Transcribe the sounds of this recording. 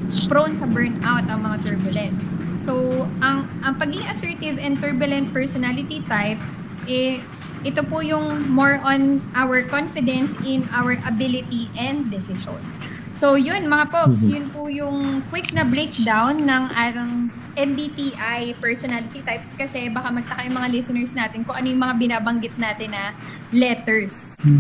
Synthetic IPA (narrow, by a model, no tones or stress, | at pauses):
fɹonsɐbɛɹnt̪ʔawt̪ɐŋmɐŋat̪ɛɹbɐlɛnt̪̚sowʔɐŋʔɐŋpɐɡɪŋɐsɛɹt̪ɪvɛnt̪ɛɹbʊlɛ̃nt̪̚pɛɹsɔnalɪt̪it̪ajp̚ | ʔɛ | ʔɪt̪opʊjʊŋmoɹʔɔnʔawɛɹkɔnfɪd̪ɛnsɪnawəɹʔɐbɪlɪt̪iʔɛnd̪̚ːɛsɪsɔ̰̃n | sojʊnmɐŋapoksjʊnpʊjʊŋkwɪknɐbɹejk̚d̪awnːɐŋʔaːɾɐŋ | ʔɛmbipiʔajpɛɹsɔnalɪt̪it̪ajpskɐsɛbɐkamɐɡ̚t̪ɐkajʊŋmɐŋalɪsɪnɛɹsnaːt̪ɪnkʊŋʔɐnojʊŋmɐŋabɪnaːbɐŋɡɪt̪̚naːt̪ɪnːɐ | lɛt̪ɛɹs